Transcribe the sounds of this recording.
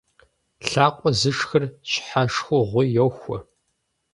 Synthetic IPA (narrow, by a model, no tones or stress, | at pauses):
ɬaːqʷʼɔzɨʂxɐrɕħaʂxʷʊʁʷʊjɛwxʷɔ